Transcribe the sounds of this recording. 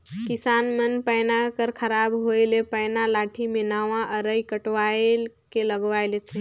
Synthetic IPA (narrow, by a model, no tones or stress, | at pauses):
kisanmənpəjnakəɾkʰəɾabɦoelepəjnalaʈʰimenaʋãʔəɾəikəʈʋael | keləɡʋajlet̪ʰĩ